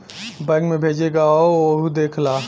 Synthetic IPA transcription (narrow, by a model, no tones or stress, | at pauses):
bə̃ɡmẽbʱeːd͡ʒeɡaooɦud̪eːkʰlaː